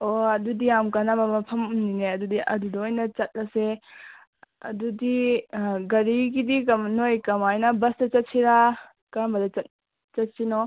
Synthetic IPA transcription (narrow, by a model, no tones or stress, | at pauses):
oɐdudijamkanamɐmɐpʰɐmnineɐdudiʔɐ̰dudɐojnɐt͡ʃɐt̚lɐse | ɐ̰dudi | ɡɐɾiɡidikɐmnojkɐmajnɐbɐstɐt͡ʃɐt̚siɾa | kambɐdɐt͡ʃɐt̚ | t͡ʃɐt̚sino